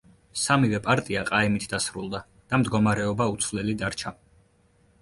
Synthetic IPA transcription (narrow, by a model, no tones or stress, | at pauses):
samivɛpʼaɾt̪ʼiaqʼaimit̪ʰd̪asɾulˠd̪a | d̪̥amd̪ɡɔmaɾɛɔbaut̪sʰvlɛlid̪aɾt͡ʃʰa